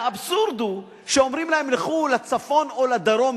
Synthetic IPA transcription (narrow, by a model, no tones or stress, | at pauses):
absuɾd̪u | ʃeo̞mʁimlahemleχulat͡safo̞no̞lad̪aɾo̞m